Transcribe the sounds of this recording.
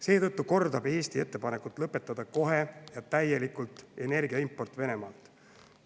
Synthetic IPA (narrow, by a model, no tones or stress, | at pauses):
se̞ːt̪ɤt̪ːuko̞rd̪ɑb̥e̞ːst̪ie̞t̪ːe̞pɑnekut̪ːˑlɤpːe̞t̪ːˑɑd̪̥ɑko̞ɦe̞jɑt̪æje̞likult̪ːˑe̞ne̞rɡ̥iɑimpːˑo̞rt̪ːˑve̞ne̞mɑːlt̪ˑ